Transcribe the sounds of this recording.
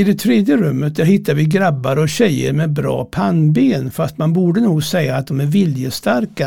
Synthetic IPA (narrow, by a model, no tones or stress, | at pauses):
ɪd̪ɛt̪ʰɾeːd̪jəɾɵmːət̪̚d̪æɾhɪt̪ːaɾvɪɡɾabːaɾɔɕɛjːə̰ɾmɛbɾɑ̰ːpʰanbeːnfast̪manbuːɖənuːɡsɛjːaːt̪̚d̪ɔmæɾvɪljəst̪aɾka